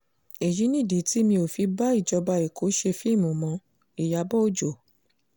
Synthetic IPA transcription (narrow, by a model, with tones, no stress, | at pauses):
e˨ji˨˦nĩ˦˨di˨˦ti˦mĩ˧o˨fi˧ba˦i˦˨d͡ʒɔ˧ba˧i˨ko˨˦ʃe˧fi˦˨mũ˨mɔ̃˧˦ | i˨ja˧˦bɔ˦o˦˨d͡ʒo˨